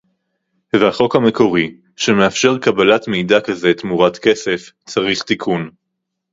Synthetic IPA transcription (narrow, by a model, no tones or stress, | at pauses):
vehaχo̞khame̞ko̞ʁi | ʃeme̞afʃe̞ʁkabalatme̞jdakaze̞tmuʁatke̞se̞f | t͡saʁiχt̪ikʰun